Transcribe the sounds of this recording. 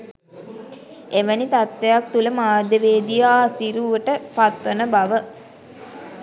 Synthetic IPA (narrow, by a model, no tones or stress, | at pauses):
eʋənit̪at̪ʋejak̚t̪uləmaːd̪əʋeːd̪ijaːsiɾuʋəʈəpat̪ʋənəbaʋə